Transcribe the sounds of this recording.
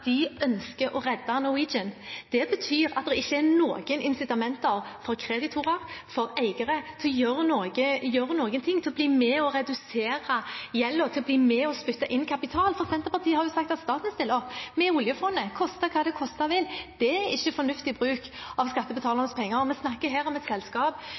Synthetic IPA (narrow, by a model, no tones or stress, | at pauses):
d̪ɪʔœnskəɾɔɾɛd̪ːɑnɔiːd͡ʒənd̪̥ɛbət̪ʰyːɾɑ̰t̪̚d̪ɛɪçːəɛɾnoːɡənɪnsɪt̪ɑmɛnt̪ɑɾfɔɾkʰɾeːd̪ɪt̪ʰʊɾəɾfɔɾæɪɡəɾət̪ʰɪlɔjøɾnoːɡəjøɾənoːɡənt̪ʰɪŋːt̪ʰɪlɔbliːmɛɔɾɛd̪ʉseːɾɑjɛlːət̪ʰɪlɔbliːmɛɔspʏt̪ːɑʔɪnːkʰɑpɪt̪ʰɑːlfɔʁsɛnt̪əʁpɑʁt̪ʰiːəhɑɾjʊsɑk̚t̪ɑt̪st̪ɑːt̪n̩st̪ɪlɔmɛʊljəfɔnːəkʰɔst̪əkʰɑːd̪ɛkʰɔst̪ɑʋɪld̪̥ɛæɾɪçːəfɔnʉft̪ɪbʁʉːkɑʋskɑt̪ːəbət̪ʰɑːlənəspʰɛŋːəɾmɛsnɑkːəɦeːɾɔmɛt̪sɛlskɑːp